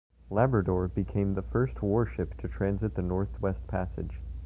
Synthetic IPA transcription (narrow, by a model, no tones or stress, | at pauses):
læbɹɨdɔɹbɨkʰẽɪ̃mðəfɜ˞st̚wɔɹʃɪp̚tʰɨtʰɹ̥æ̃nzɨt̪̚ðɨnɔɹθwɛst̚pʰæsɨ̰d̥ʒ̥